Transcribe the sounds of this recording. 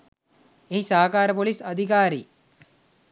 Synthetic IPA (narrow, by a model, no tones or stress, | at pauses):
eɦisaːkaːɾɐpolisɐd̪ʱik̬aːɾḭ